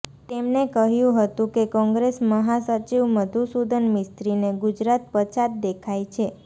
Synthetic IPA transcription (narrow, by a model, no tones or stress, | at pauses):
t̪emnekəɦjũɦət̪ũkekɔ̃ŋɡɾesməɦasət͡ʃiʋməd̪ʱusud̪ʱənmɪst̪ɾineɡud͡ʒɾat̪̚pət͡ʃat̪̚d̪ekʰajt͡ʃʰe